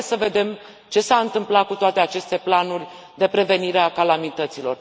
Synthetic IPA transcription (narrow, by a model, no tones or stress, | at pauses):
səve̞d̪e̞m | t͡ʃe̞saɨnt̪ɨmplakut̪oat̪eat͡ʃe̞st̪e̞planurʲ | d̪e̞pɾe̞ve̞niɾeakalamit̪ət̪silo̞r